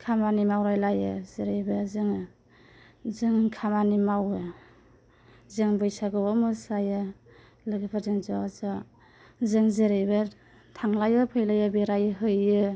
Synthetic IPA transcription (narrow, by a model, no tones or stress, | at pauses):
kʰamanimawɾajlajɯzeɾɯjbɯzɯŋ | zɯŋkʰamanimawɯ | zɯŋbɯjsaɡɯwamɯsajɯ | lɯɡipʰatɯŋzɔza | zɯŋzeɾɯjbɯ | tʰaŋlajɯpʰɯjlajɯbeɾajɯɦɯjɯ